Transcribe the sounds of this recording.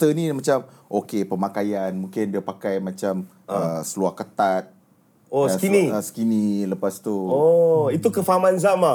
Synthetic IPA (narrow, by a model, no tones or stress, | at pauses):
t̪ənimãt͡ʃam | ʔokepəmakajanmũŋkɪndiapakajmãt͡ʃam | əsəluahkət̪at̪̚ | okiniəsə̥kiniləpast̪uoit̪ukəfaamanzama